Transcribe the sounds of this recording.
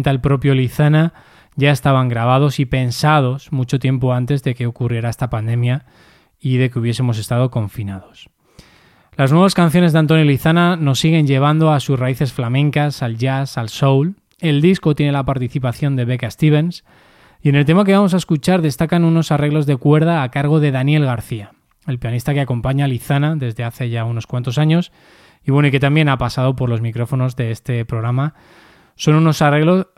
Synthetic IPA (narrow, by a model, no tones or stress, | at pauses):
t̪alpɾo̞pjo̞liθana | ʝae̞st̪aβaŋɡɾaβ̞að̞o̞sipe̞nsað̞o̞smut͡ʃo̞t̪je̞mpo̞ant̪e̞zðe̞ke̞o̞kurje̞ɾae̞st̪apand̪e̞mja | iðe̞keuβ̞je̞se̞mo̞se̞st̪að̞o̞ko̞ɱfinaðo̞s | laznwe̞β̞askanθjo̞nezðeant̪̬onjoliθanano̞sːiɣe̞ɲʝe̞β̞and̪o̞asusraiθe̞sflamẽ̞ŋkasalʝasalso̞wl | e̞ld̪isko̞t̪je̞ne̞lapaɾt̪iθipaθjo̞nd̪e̞βe̞kaest̪iβ̞e̞ns | je̞ne̞lt̪e̞mak̬eamos̬ae̞skut͡ʃaɾðe̞st̪akanuno̞sare̞ɣlo̞zðe̞kwe̞ɾð̞aːkaɾɣ̞o̞ðe̞ðanje̞lɣaɾθia | e̞lpjanist̪ake̞ako̞mpaɲaliθanaðe̞zðe̞aθe̞ʝauno̞skwant̪o̞saɲo̞s | iβwe̞noike̞t̪ambje̞napasaðo̞po̞ɾlo̞zmikɾo̞fo̞no̞zðe̞est̪e̞pɾo̞ɣɾama | so̞nuno̞sare̞ɣlo̞s